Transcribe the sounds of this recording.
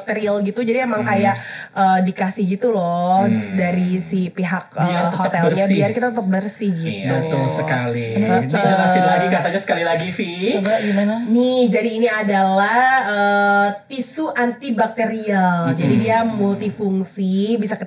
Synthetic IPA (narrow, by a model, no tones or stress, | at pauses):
k̚t̪eɾialɡit̪ud͡ʒadiemaŋkajaʔʔəːdikasihɡit̪ulɔhdaɾisipiɦak̚əhot̪ɛlrɲabiarkit̪at̪ut̪əp̚bərsihɡit̪ɡət̪əŋsəkalinanaɪlaɡikat̪aɲasə̥kalilaɡisit͡ʃobaɡimananihd͡ʒadiːniadalahhəːt̪isuʔant̪ibak̚t̪eɾiald͡ʒadidiamult̪ifuŋsibisak